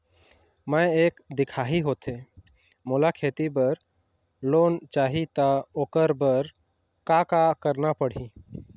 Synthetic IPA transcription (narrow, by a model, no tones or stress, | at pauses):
mɛ̃eːkd̪ɪkʰaːɦiɦoːt̪e | molakʰeːt̪ibəɾ | loːnt͡ʃaːɦit̪aoːkəɾbəɾ | kaːkakəɾnapəɽ̤ĩ